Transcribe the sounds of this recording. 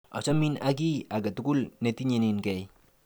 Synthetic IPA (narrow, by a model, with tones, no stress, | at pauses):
ɔ̰˨t͡ʃa˦mina˦k̬i˦a˨ɡa˨tu˨ku˦lne˦ti˦ɲe˨ninkɛ˨j